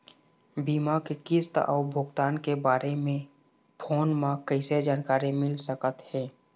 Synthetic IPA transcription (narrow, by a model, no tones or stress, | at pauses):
biːmakekɪst̪ɔ̰ːbʱʊɡt̪aːnkebaːɾemẽ | pʰoːnmãkəɪsed͡ʒaːnkaːɾimɪlsəkət̪hɛː